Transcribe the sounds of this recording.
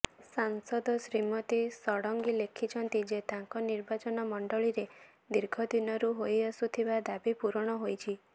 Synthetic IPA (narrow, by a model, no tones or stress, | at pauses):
saŋsɔd̪ɔsɾimɔt̪isɔɽɔŋɡilekʰit͡ʃʰɔnt̪id͡ʒet̪aŋkɔniɾbat͡ʃɔnɔmɔɳɖɔɭiɾe | d̪iɾɡʱɔd̪inɔɾuɦojɔsut̪ʰibad̪abipuɾɔɽ̃ɔɦojt͡ʃʰi